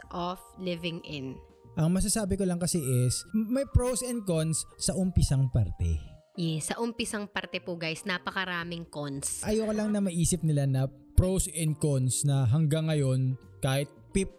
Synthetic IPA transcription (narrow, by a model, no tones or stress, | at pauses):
ʔoflɪvɪŋʔɪn | ʔɐŋmɐs̬ɐsaːbɪkolɐŋkɐsɛʔɛsmɐjpɾowsɛn̚konsːɐʔʊmpɪsɐŋpɐɾt̪ɛ̰ | jɛsːɐʔʊmpɪsɐŋpɐɾt̪ɛpoɡajsnapɐkɐɾaːmɪŋkonsʔɐjokɐlɐŋnɐmɐʔiːsɪp̚nɪlanɐ | pɾowsɛnd̪̚konsnɐɦɐŋɡɐŋːɐjo̞n | kaːhɪt̪̚pɪp̚